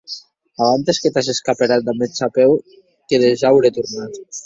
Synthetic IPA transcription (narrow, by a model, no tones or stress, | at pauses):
aβant̪esket̪azeskapeɾat̪̚d̪amet͡ʃapɛw | keðeʒawɾet̪uɾnat̪